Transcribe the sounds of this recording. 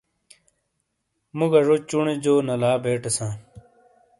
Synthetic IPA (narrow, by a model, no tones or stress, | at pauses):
muɡɐʐot͡ɕuɳed͡ʑoːnɐlaːbʱeːʈesãː